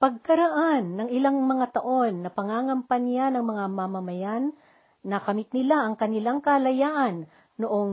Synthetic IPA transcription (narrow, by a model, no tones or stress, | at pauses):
pɐɡ̚kɐɾɐʔanːɐŋɪlaŋmɐŋat̪ɐʔo̞nːɐpɐŋaːŋɐmpɐnjanɐŋmɐŋamɐmɐmɐjanː | ɐkɐmɪt̪̚nɪlaʔɐŋkɐnɪlaŋkɐlɐjaːʔɐnː | oʔoŋ